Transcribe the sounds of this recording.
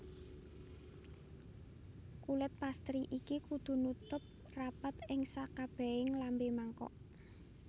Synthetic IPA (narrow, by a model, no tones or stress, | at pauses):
kulət̪̚past̪ɾiʔikikud̪̥ṳnut̪ʊp̚ | rapat̪ɪŋsakab̥ɛ̤ɪŋlambemaŋkɔ̰ʔ